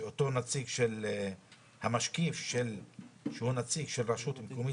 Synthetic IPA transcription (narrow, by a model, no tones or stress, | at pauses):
ot̪o̞nat͡siɡʃel | hamaʃkifʃelʃehunat͡siɡʃelɾaʃut̪himkomi